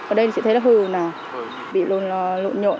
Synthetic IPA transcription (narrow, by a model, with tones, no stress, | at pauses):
ʔəː˨˩ɗə˧jt̪ʰt͡ɕḭ˧˥t̪ʰla˨˧˦hɨ˧˩naː˨˩ | ɓḭ˧˨lo˧˨n˨˩lo̰˧˨nɲo̰˧˨n